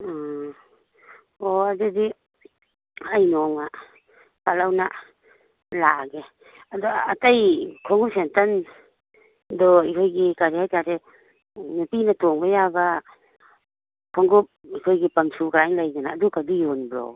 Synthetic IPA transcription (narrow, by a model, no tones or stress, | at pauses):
oadudi | ajnɔŋa | palawna | laɡe | adɔatajkʰɔŋɡup̚sentan | dɔikʰɔjɡikaɾihajtaɾe | nupinatɔŋbajaba | kʰɔŋɡup̚ikʰojɡipamsʰukaɾajŋlajɡanaːdukadijɔnbɾɔ̰w